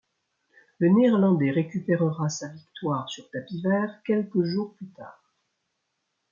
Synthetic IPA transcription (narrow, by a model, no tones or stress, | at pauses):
ləneɛʁlɑ̃d̪ɛʁekʲypeʁəʁasavikt̪waʁsyʁt̪apivɛːʁkʲɛlkəʒuʁplyt̪a̰ːʁ